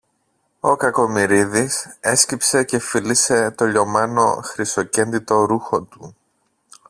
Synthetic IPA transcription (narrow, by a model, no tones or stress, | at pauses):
o̞kɐko̞miɾiðise̞scipse̞ce̞filise̞t̪o̞ʎo̞mɐno̞̰xɾist̪o̞ce̞nd̪it̪o̞ɾuxo̞t̪u